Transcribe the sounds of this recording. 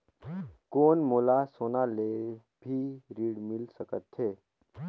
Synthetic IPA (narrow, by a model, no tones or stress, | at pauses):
koːnmolasonale | bʱiːɾiːɽmilsəkət̪he